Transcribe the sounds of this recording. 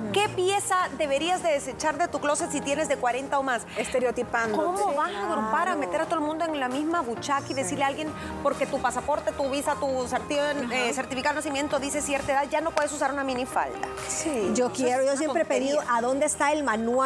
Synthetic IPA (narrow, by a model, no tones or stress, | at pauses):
ke̞pje̞sad̪e̞βe̞ɾiazd̪eðese̞t͡ʃaɾðe̞t̪uklo̞sesit̪je̞ne̞zðekwaɾe̞nt̪aomasest̪eɾeot̪ipandkomoβasaðoɾpaɾame̞t̪e̞ɾat̪oelmũnd̪oeŋlamizmaβut͡ʃakaiðe̞siɾlealɡje̞n | po̞ɾke̞t̪upasapo̞ɾt̪e̞t̪uβisat̪useɾt̪ieseɾt̪ifikaðonasimje̞nt̪oðise̞sjeɾt̪eðaðʝano̞pwe̞ðe̞s̬us̬aɾunamĩnifa̰lt̪a | sid͡ʒokjeɾojosjepɾepeðiðoʔaðo̞nd̪est̪aelmanwa